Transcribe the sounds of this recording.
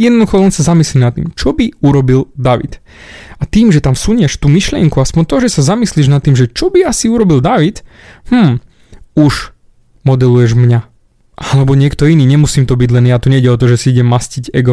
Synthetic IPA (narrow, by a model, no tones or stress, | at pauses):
jɛd̪nɔd̪uxɔlɛnsazamislimnat̪ːḭmt͡ʃɔbiuɾɔbild̪aʋḭt̪ | at̪iːmʒɛt̪amsuɲɪɛʃt̪uːmiʃlɪɛ̰ŋkuaspɔɲt̪ɔʒɛsazamisliʒnat̪ːiːmʒɛt͡ʃɔbiasiuɾɔbild̪aʋit̪ | m̥m̩ | uʒ | mɔd̪ɛlujɛʒmɲa | ʔalɛbɔɲɪɛkt̪ɔiniːɲɛmusiːmt̪ɔbiɟlɛnjat̪ɔɲɛiɟɛɔt̪ɔʒɛsiiɟɛmːasciɟɛɡɔ